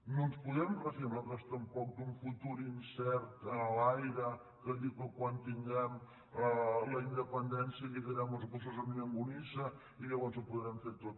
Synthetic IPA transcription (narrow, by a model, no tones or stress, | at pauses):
nonspuðɛmrəfimaðɔst̪əmpɔk̚d̪uɱfut̪uɾinsɛɾt̪lajɾə | kəðiɣəkwant̪iŋɡɛm | ləind̪əpənd̪ɛnsiəʎiðiɾɛməlˠzɣusozəminəŋɡunisə | iʎəβɔnzəpuðɾɛmfeɾt̪ot̪̚